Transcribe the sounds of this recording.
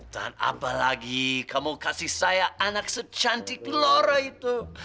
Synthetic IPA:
d̥a̰na̰palaɡikʰamokasihsajaʔanak̚sət͡ʃant̪ikəloɾait̪u

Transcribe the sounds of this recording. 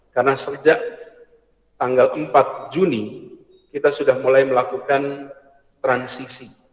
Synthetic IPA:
karnasəd͡ʒaʔ | t̪aŋɡalʔəmpat̪̚d͡ʒuni | kit̪asudahmulajməlakukan | t̪ɾansisi

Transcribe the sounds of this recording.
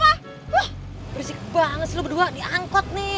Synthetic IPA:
a | wah | bəɾisik̚baŋət̪slubəduadiʔaŋkɔt̪̚nɪ

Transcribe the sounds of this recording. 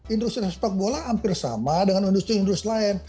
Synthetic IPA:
indust̪ɾiaspak̚bolaːmpɪrsa̰madəŋanindust̪ɾiindɾust̪laɛn

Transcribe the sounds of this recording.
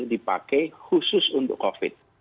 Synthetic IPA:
dipa̰kɛjxususunt̪ʊ̰kːɔfɪ̰t̪̚

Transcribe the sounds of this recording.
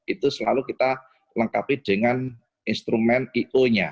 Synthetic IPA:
it̪usəlalukit̪a | ləŋkapid̥ə̤ŋan | inst̪ɾumɛniʔoɲa

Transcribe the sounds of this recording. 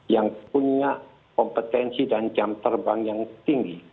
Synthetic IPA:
jaŋpunaʔ | kɔmpət̪ɛnsidand͡ʒamt̪ərbaŋjaŋt̪iŋɡi

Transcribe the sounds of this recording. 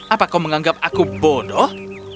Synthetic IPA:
apakawməŋaŋɡap̚akubɔdɔh

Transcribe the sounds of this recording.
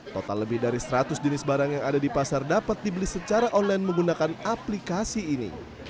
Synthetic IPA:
t̪ot̪alːəbɪhdaɾisɾat̪ʊsd͡ʒənɪsbaɾaŋjaŋadadipasardapat̪̚dibəlisət͡ʃaɾaʔɔnlajinməŋɡunakanaplikasiːnḭ

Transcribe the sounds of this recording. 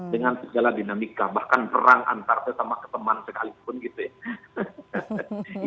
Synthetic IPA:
dəŋansəɡaladinamikabahkanpəɾaŋʔa̰nt̪art̪əsamakə̥t̪əmansəkalipʊnɡit̪uja

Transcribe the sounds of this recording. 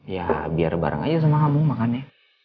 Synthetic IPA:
ja̰biarba̰ɾa̰ŋa̰d͡ʒus̬amaɦamuŋmakanɛ

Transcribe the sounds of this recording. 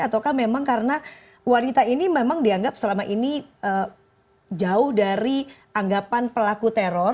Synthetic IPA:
at̪awkahmemaŋkaɾəna | wanit̪ainimemaŋdiaŋɡap̚səlamaʔiniəː | d͡ʒaʊhdaɾiʔaŋɡapanpəlakut̪eɾɔr

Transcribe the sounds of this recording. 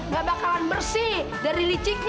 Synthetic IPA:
ŋɡabakalanbərsi | daɾilit͡ʃik

